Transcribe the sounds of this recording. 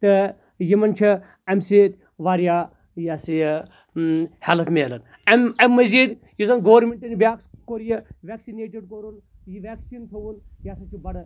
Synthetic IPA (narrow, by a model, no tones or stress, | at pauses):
t̪ɨ | jimɐnt͡ʃʰi | ɐmsiːt̪ | ʋaːɾjaː | jaːsi | helpʰmeːlɐn | ɐmɐmːɐziːd̪ | jisɐnɡoːʋɐɾmʲeɳʈɐnibaːkskoɾjɐʋʲeːksineːʈ̬iɖkoɾun | jiʋeːksiːnt̪ʰɐwunjaːsɐt͡ʃʰibɐɽɐ